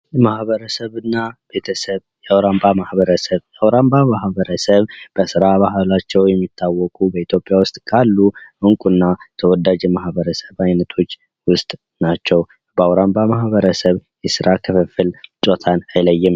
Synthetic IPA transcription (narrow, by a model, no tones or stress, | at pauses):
jmahβəɾəsəβɨnːab̥e̞t̪ʰəsəβjɛawɾambamahβəɾəsəβjawɾambamahβəɾəsəβb̥əsɨɾabahlat͡ʃːɛwjɛmːit̪ʰːawːɔkʼubəit̪ʰjo̞pʼjawʊst̪ʼkʰalːuʔɨŋkʼunːat̪ʰəwɔd̪ad͡ʒjɛmahbəɾəsəβajnət̪ʰo̞t͡ʃː | wʊst̪ʼ | nat͡ʃːɛw | bəawɾambamahβəɾəsəβjɛsɨɾakʰɨfəfːɨlt͡ʃʼot̪ʰanajləjːɪm